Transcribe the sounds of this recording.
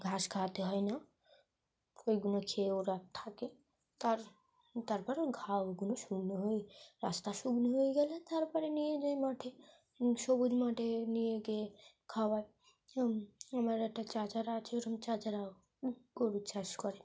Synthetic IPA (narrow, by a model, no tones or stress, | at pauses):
ɡʱaʃkʰat̪eɦɔena | ojɡunokʰewoɾat̪ʰake | t̪aɾ | t̪aɾpɔɾoɡʱawɡunoʃuɡnoɦoeɾast̪aʃuɡnoɦojeɡɛlet̪aɾpɔɾenijed͡ʒajmaʈʰe | ʃobud͡ʒmaʈʰenijeɡee | kʰawae | amaɾɛk̚ʈat͡ʃat͡ʃaɾaːt͡ʃʰeoɾamt͡ʃat͡ʃaɾa | ɡoɾit͡ʃaʃkɔɾe